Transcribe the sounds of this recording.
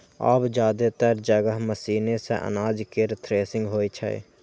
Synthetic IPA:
a̰bd͡ʒjaːd̪et̪əɾd͡ʒəɡəɦməsiːnesḛʔə̰naːd͡ʒkeɾt̪ʰɾeːsɪ̃ŋɡɦoːit͡ʃʰə̰ḛ

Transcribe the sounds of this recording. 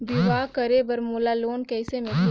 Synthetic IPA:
biʋaːkɐɾebɐɾmolaloːnkɛːsemẽk

